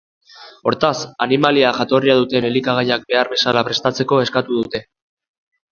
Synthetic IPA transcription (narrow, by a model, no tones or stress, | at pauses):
o̞ɾt̪asanimaliaʝat̪o̞riaðut̪e̞ne̞likaɣ̞ajak̚be̞aɾβe̞salapɾe̞st̪at͡se̞ko̞e̞skat̪uðut̪e̞